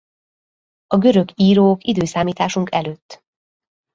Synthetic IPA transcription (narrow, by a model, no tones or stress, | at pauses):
ɒɡø̞ɾø̞ɡiːɾoːkid̪øːsaːmiːt̪aːʃuŋkɛløːt̪ː